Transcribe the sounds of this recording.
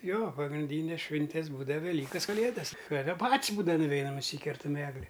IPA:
ˈjoː pɐɡrʲɪnʲˈdʲiːnʲɛs ˈʃʲʋʲɪnʲtʲɛs ˈbuːdɐw ʋʲɛˈlʲiːkɐs kɐˈlʲeːdɐs ˈtɑːdɐ ˈpɐtʲsʲ ˈbuːdɐʋɐ nʊˈʋʲɛɪnɐm nʊˈsʲiːkʲɛrtɐm ˈæːɡlʲɪ

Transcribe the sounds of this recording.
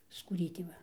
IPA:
skuːˈrʲiːtʲeː ˈʋɐ

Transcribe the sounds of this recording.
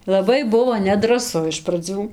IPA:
lˠɐˈbɐɪ ˈbʊʋoː nʲɛdrɐˈsʊ ɪʃ prɐˈd͡zʲuː

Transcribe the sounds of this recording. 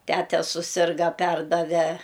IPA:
ˈtʲæːtʲɛ sʊˈsʲɪrɡɐ ˈpʲɛrdɐʋʲɛ

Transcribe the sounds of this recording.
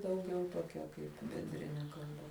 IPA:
dɐʊˈɡʲɛʊ toːˈkʲɛ kɐɪp bʲɛnʲˈdʲrʲɪnʲɛ kɐlˠˈbɐ

